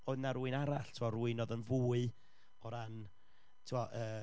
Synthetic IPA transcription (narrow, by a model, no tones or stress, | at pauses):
oɨðnaɾuɨnaɾaɬtʰuɔɾuːɨnɔðənvuːɨ | ɔɾan | tʰuɔʔəː